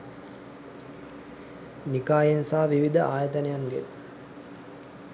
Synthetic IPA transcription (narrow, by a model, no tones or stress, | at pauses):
nikaːjensaːʋiʋid̪əʔaːjɐt̪ənejaŋɡḛ